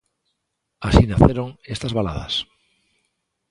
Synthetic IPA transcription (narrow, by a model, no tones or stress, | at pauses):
asinaθeɾoŋest̪azβala̰ða̰s